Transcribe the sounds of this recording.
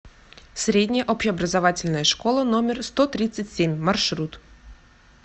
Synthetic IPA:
sʲɾʲedʲnʲɪjəʔopɕɪɐbɾəzɐvatʲɪlʲnəjəʂkolˠənomʲɪrst̪ot̪ɾʲit̪sɨtʲsʲemʲmɐrʂɾut̪

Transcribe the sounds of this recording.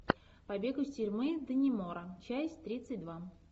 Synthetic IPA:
pɐbʲeɡʊsʲtʲɪrʲmɨd̪ənʲɪmoɾət͡ɕæsʲt̪ɾʲit̪sɨtʲd̪va

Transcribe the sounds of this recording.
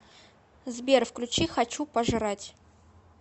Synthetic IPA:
zbʲerfklʲʊt͡ɕixɐt͡ɕupəʐɨɾatʲ

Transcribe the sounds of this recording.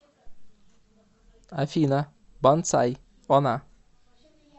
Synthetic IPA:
æfiːnə | bɑnt̪sæ̰ɪ | ɔna

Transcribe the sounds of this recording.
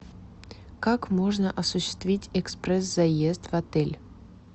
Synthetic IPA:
kakmoʐnəʔɐsuɕːɪ̥st̪vʲitʲɛksprɛs̬zajest̪vat̪ɛlʲ

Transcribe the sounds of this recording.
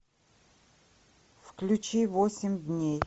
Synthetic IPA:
fklʲʊt͡ɕivosʲɪmʲd̪ʲnʲej

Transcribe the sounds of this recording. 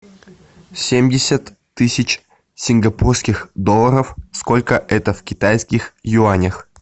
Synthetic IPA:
sʲemʲdʲɪsʲət̪ː | ɨsʲɪt͡ɕ | sʲɪnɡɐpurskʲɪxd̪olˠːəɾəfskolʲkəʔɛt̪əfʲkʲɪt̪ajskʲɪxjuanʲəx

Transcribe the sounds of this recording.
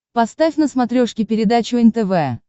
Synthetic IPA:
pɐst̪afʲnəsmɐt̪ɾʲoʂkʲɪpʲɪɾʲɪd̪at͡ɕʊɛnʲt̪ɛvɛ

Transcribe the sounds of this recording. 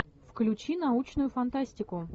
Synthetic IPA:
fklʲʉt͡ɕinɐut͡ɕnʊjʊfɐnt̪asʲtʲɪkʊ

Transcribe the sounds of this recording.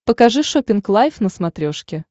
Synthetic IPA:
pəkɐʐɨʂopʲɪnklˠajfnəsmɐt̪ɾʲoʂkʲɪ

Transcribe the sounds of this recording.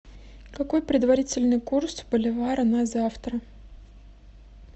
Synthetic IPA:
kɐko̞jpɾʲɪd̪vɐɾʲit͡sʲɪlʲnɨjkursbəlʲɪvajəɾɐnazaft̪ɾə

